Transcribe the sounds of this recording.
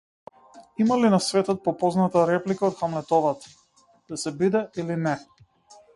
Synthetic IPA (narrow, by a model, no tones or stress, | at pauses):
imalinasvɛt̪ɔt̪̚pɔpɔznat̪aɾɛplikaɔt̪xamlɛt̪ɔvat̪ḁ | d̪̥asɛbid̪ɛʔilinɛ